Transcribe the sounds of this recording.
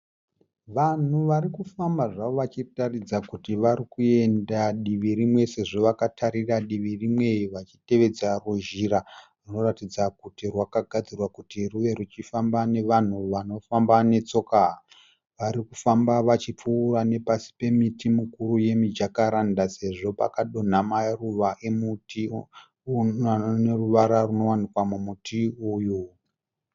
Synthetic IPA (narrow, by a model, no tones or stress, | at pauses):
ʋan̤uʋaɾikufambaʐaʋoʋat͡ʃitarid͡zakutiʋarikue̞ndaɗiʋiɾimwe̞se̞ʐoʋakatʰaɾiraɗiʋirimwe̞ʋat͡ʃi̥te̞ʋe̞d͡zaruʒiɾaruno̞ratid͡zakutirwakaɡʱad͡zirwakutiruʋe̞rut͡ʃifambane̞ʋan̤uʋano̞fambane̞t͡so̞ka | ʋaɾikufambaʋat͡ʃip͡fuːrane̞pasi̥pe̞mitimukuruje̞mid͡ʒakaɾandase̞ʐo̞pa̰kaɗo̞n̤amaruʋaʔemuti | neruʋaɾaruno̞wanikwamumutʰiuju